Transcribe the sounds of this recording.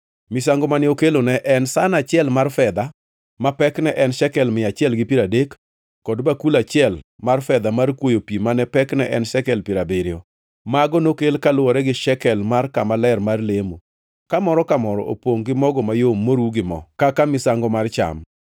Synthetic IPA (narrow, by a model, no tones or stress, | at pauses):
mɪsaŋɡɔmanɪokelonɛʔɛnsanat͡ʃɪɛlmarfɛd̪a | mapɛknɛʔɛnʃɛkɛlmɪat͡ʃɪɛlɡɪpiɾadekː | ɔdbakulat͡ʃɪɛlmarfɛd̪amarkwojopimanɛpɛknɛʔɛnʃɛkɛlpiɾabeɾɪɔ | maɡɔnokelkalwɔɾɛɡɪʃɛkɛlmarkamalɛrmarlemo | kamɔɾɔkamɔɾɔ̰ʔo̰pwoŋɡɪmɔɡɔmajomːoɾuɡɪmɔ̰kakamɪsaŋɡɔmart͡ʃa̰m